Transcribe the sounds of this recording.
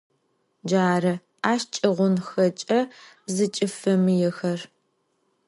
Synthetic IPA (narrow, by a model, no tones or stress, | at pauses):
d͡ʒaːrɐ | aːʃt͡ʃʼɐʁʷʊnxɐt͡ʃʼɐ | zɨt͡ʃʼɨfɐmjɛxɐr